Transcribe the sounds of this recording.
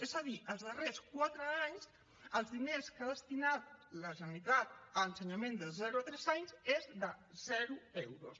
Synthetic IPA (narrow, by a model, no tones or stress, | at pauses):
ezaðiʔəlzðəreskwat̪ɾəaɲs | əlzðineskaðəst̪inat̪̚ləzənnit̪at̪əənsəɲamẽnd̪əlzɛɾuat̪ɾɛzaɲzezdəzɛɾuɛwɾos